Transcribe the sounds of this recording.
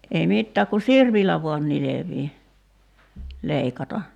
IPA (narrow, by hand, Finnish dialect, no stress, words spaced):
ei mitːæːk ku sirpilːæ ʋuɑn nileʋiː leikɑtɑ